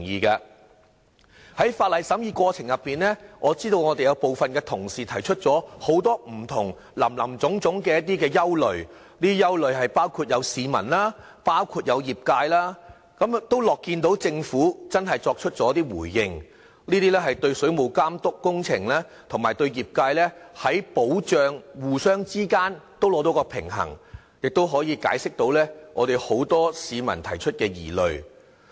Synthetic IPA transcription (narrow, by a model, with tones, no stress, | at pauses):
ŋjiː˨˧kaː˧ | hɐ˨˥jfaː˧t̚lɐ˨jsɐ˨˥mjiː˧kʷɔː˧t͡sʰɪ˨˩ŋjɐ˨pːiː˨nlɛː˥ŋʔɔː˨˧t͡siː˥t̪o˧wŋɔː˨˧t̪e˨jɐ˨˧wpo˨wfɐ˨nkɛː˧t̪ʰʊ˨˩ŋsiː˨t̪ʰɐ˨˩jt͡ʃʰɵ˥t̚t͡sɔː˨˥ho˨˥wt̪ɔː˥m̩˨˩t̪ʰʊ˨˩ŋ | lɐ̰˨˩mlɐ˨˩mt͡sʊ˨˥ŋt͡sʊ˨˥ŋkɛː˧jɐ˥t̪̚iː˥kɛː˧jɐ˥wlɵ˨ɥ | niː˥jɐ˥wlɵ˨ɥɦɐ˨jpaː˥wkʰuː˧t̚jɐ˨˧wsiː˨˧mɐ̰˨˩nlaː˥ | paː˥wkʰuː˧t̚jɐ˨˧wjiː˨p̚kaː˧jlaː˥ | kɐ˨˥mt̪o˥wlɔː˨kːiː˧nt̪o˨˥wt͡sɪ˧ŋfuː˨˥t͡sɐ˥nɦɐ˨jt͡sɔː˧k̚t͡ʃʰɵ˥t̚t͡sɔː˨˥t̪iː˥wuː˨˩jːɪ˨˧ŋ | liː˥t̪iː˥lɛː˥ɦɐ˨jt̪ɵ˧ɥsɵ˨˥ɥmo˨˧wkaː˥mt̪ʊ˥kːʊ˥ŋt͡sʰɪ˨˩ŋlaː˥t̪ʰʊ˨˩ŋmaː˨˩jt̪ɵ˧ɥjiː˨p̚kaː˧jlɛ˥hɐ˨˥jpo˨˥wt͡ʃœː˨˧ŋwuː˨sœː˥ŋt͡siː˥kaː˥nt̪o˥wlɔː˨˥t̪o˨˥wkɔː˧pʰɪ˨˩ŋɦɐ̰˨˩ŋ | jɪ˨k̚t̪o˥wɦɔː˨˥jiː˨˧ka̰ː˨˥jsɪ˥k̚t̪o˨˥wlɛː˥ŋʔɔ̰ː˨˧ɾe˨jho˨˥wt̪ɔː˥siː˨˧mɐ̰˨˩nt̪ʰɐ˨˩jt͡ʃʰɵ˥t̚kɛː˧jḭː˨˩lɵ˨ɥ